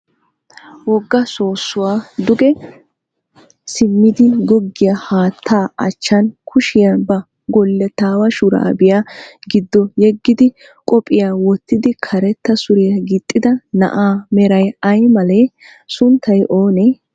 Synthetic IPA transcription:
wɔɡːɐso̞ːsːʊwaːd̪ʊɡɛ | sɪmːɪd̪ɪɡɔɡːɪjɐhaːt̪ʰːaːʔɐt͡ʃːɐnkʰʊʃɪjabɐ | ɡɔlːɛt̪aːwɐʃʊɾa̰ːbɪjaɡɪd̪ːɔjɛɡːɪd̪ɪ | kʼɔpʼːɪjaːwɔt̪ːɪd̪ɪkʰɐɾɛt̪ːɐsʊɾɪjɐɡɪt̪ʼːɪd̪ɐnɐ̰ʔaːmɛɾɐjɐjmɐle | sʊnt̪ʰːɐjʔoːnɛ

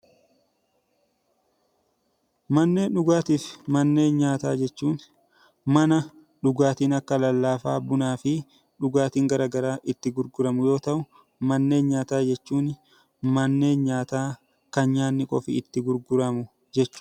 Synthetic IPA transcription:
mɐnːe̞ːnɗʊɡaːt̪iːfmɐnːe̞ːnɲaːt̪aːd͡ʒɛt͡ʃːuːn | mɐnɐ | ᶑʊɡaːt̪iːnɐkːɐlɐlːaːfaːbʊnaːfɪ | ᶑʊɡaːt̪iːŋɡɐɾɐɡɐɾaːʔɪt̪ːɪɡʊɾɡʊɾɐmʊjo̞ːt̪ɐʔʊ | mɐnːe̞ːnɲaːt̪aːd͡ʒɛt͡ʃːuːn | mɐnːe̞ːnɲaːt̪aː | kɐnɲaːnːɪkʼɔfɪɪt̪ːɪɡʊɾɡʊɾɐmʊ | d͡ʒɛt͡ʃːʊ̥

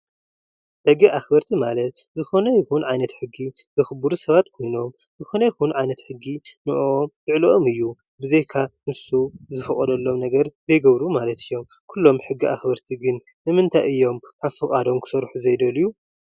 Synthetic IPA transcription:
ħɨɡːiʔaxbɐɾt̪ʰimalɐt̪zɨxo̞nɐjɪxunʕajnɐt̪ħɨɡːizɨxɨbuɾusɐβat̪kʰo̞jno̞m | zɨxo̞nɐjɪxunʕajnɐt̪ħɨɡːinɨʔoot̪ɨʕloʔomɨjːu | bɨzejkʰanɨsuzɨfɐχʼɐd̪ɐlːo̞mnɐɡɐɾzɐjɡɐβɾumalɐt̪ʰɨjːo̞m | kʰulːo̞mħɨɡːiʔa̰xbɐɾt̪ʰiɡɨnːɨmɨnt̪ʰajɨjːo̞mkʰaβfɨkʼad̪o̞mkʰɨ̥sɐɾħuzɐjd̪ɐlju

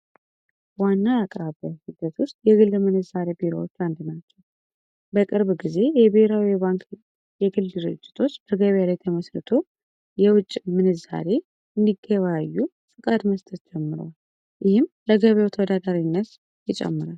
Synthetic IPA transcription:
wanːaakʼɾaβəhɨd̪ət̪ʰwʊst̪jɛɡɨlːmɨnɨzaɾe̞biɾa̰wot͡ʃːand̪nat͡ʃːɛw | bəkʼɨɾβɡize̞jɛbeheɾawiβaŋk | jɛɡɨld̪ɨɾɨ̰d͡ʒːɪ̥t̪ʰo̞t͡ʃːb̥əɡəβjalajt̪ʰəməsɾɨt̪ʰo̞ | jɛwʊt͡ʃʼːmɨnɨza̰ɾe̞ | ɨnd̪iɡːəβaajːu | fɨkʼad̪məst̪ʰət̪d͡ʒɛmːɨɾowal | jɪhɪmləɡəβjawt̪ʰəwɔd̪ad̪aɾinːət̪ | jɪt͡ʃʼɛ̰mːɨɾal

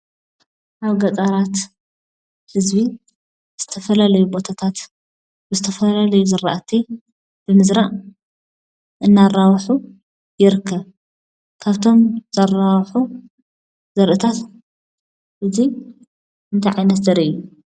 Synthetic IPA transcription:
ʔaβɡɐt͡sʼɐɾat̪ | hɨzbi | z̥ɨt̪ʰɐfɐlalɐjubo̞t̪ʰat̪ʰat̪ | bɨzɨt̪ʰɐfɐlalɐjuzɨɾaʔt̪ʰi | b̥ɨmɨzɾaʔ | ʔɨnːarawħu | jɪɾɨkʰːɐβ | kʰaβt̪ʰo̞mz̥ɐrawħu | z̥ɐɾʔɨt̪ʰat̪ | ʔɨzi | ʔɨnt̪ʰajʕajnɐt̪zɐɾʔiʔju

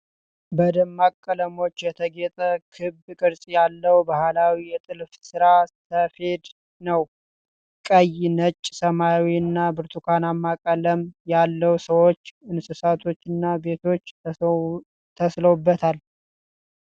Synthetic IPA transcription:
bəd̪əmːakʼːələmo̞t͡ʃːjɛt̪ʰəɡet̪ʼəkʰɨbkʼɨɾsʼjalːəwbahlawijɛt̪ʼɨlfsɨɾasəfe̞d̪ | nəw | kʼəjnət͡ʃʼːsəmajawiɨnːabɨɾt̪ʰukʰanamːakʼːələmjalːəwsəwo̞t͡ʃːɨnsɨsat̪ʰo̞t͡ʃːɨnːabe̞t̪ʰo̞t͡ʃː | t̪ʰəsləwubːət̪ʰal

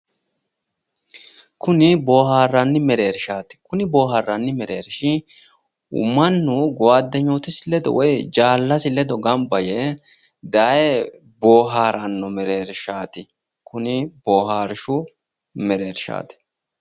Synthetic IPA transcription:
kʊnɪbo̞ːɦaːrːɐnːɪmɛɾe̞ːɾʃaːt̪ɪ̥kʊnɪbo̞ːɦaːrːɐnːɪmɛɾeːɾʃɪ | ʊ̰mɐnːʊɡɔwaːd̪ːɛɲoːt̪ɪsɪlɛd̪ɔ̰wɔjd͡ʒaːlːɐsɪlɛd̪ɔɡɐmbɐjɛ | d̪ajɛ | boːɦaːɾɐnːɔmɛɾe̞ːɾʃaːt̪ɪ | kʊnɪbo̞ːɦaːɾʃʊ | mɛɾe̞ːɾʃa̰ːt̪ɪ̥

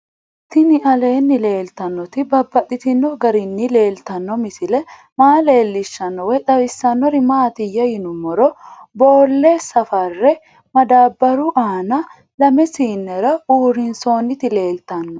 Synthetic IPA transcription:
t̪ɪnɪʔɐle̞ːnːɪle̞ːlt̪ɐnːɔt̪ɪbɐbːɐt̪ʼːɪt̪ɪnːɔɡɐɾɪnːɪle̞ːlt̪ɐnːɔmɪsɪlɛ | maːle̞ːlːɪʃːɐnːɔwɛᶑ̪ɐwɪsːɐnːɔɾɪmaːt̪ɪjɐjɪnʊmːɔɾɔboːlːesɐfɐrːɛ | mɐd̪aːbːɐɾʊʔaːnɐ | lɐmɛsiːnːɛɾɐuːɾɪnso̞ːnːɪt̪ɪle̞ːlt̪ɐnːɔ

